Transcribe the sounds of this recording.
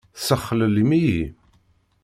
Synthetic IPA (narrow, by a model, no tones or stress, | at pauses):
səχːələlimiji